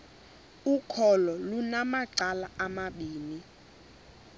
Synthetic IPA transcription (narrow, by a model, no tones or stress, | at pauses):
ukʰɔlɔlunamaǀalaamaɓiːni